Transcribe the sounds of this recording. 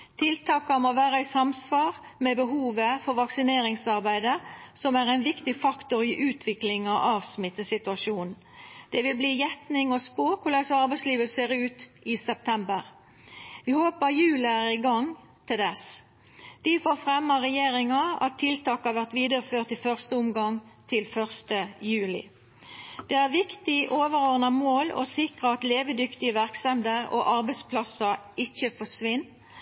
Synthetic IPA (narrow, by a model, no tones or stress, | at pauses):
t̪ʰɪlt̪ʰɑːkɑmoːʋæːɾəɪsɑmsʋɑːʁ | mɛbəɦuːʋəfɔɾʋɑksɪneːɾɪŋsɑʁbæɪd̪əsɔmæɾæɪnʋɪkt̪ɪfɑkt̪ʊɾɪʔʉːt̪ʰʋɪklɪŋɑɑːʋsmɪt̪ːəsɪt̪ʉɑʃuːnn̩ | d̪̥ɛʋɪlbliːjɛt̪nɪŋɔspoːkʰʊlɛɡsɑɾbæɪsliːʋəlseːɾʉːt̪ʔɪsɛp̚t̪ʰɛmbəʁ | ʋɪhoːpəjʉːləæɾɪɡɑŋ | t̪ʰɪld̪ɛs | d̪̥ɪfoːɾfʁɛmːəʁɛjeːʁɪŋɑɑ̰t̪ʰːɪlt̪ʰɑːkəhɑʋæʁt̪ʋiːd̪əʁəføːʁt̪ɪfœʁst̪əʊmɡɑŋt̪ʰɪlfœʁst̪əjʉːlɪ̰ | d̪̥ɛæʁʋɪkt̪ɪʔoːʋəɾɔʁnɑmoːlo̰sɪkʁəɑt̪leːʋəd̪ʏkt̪ɪəʋæʁksɛnd̪əʁo̰ʔɑʁbɛɪspʰlɑsə | ɪçəfɔsʋɪnː